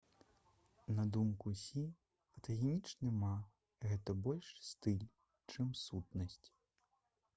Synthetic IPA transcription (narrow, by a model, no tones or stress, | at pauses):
nɐd̪umkusʲi | ɐt̪ɐɣʲɛmʲit͡ʂnɨma | ɣɛt̪ɐbɔlʲʂst̪ilʲ | t͡ʂɨmsut̪nɐsʲt͡sʲ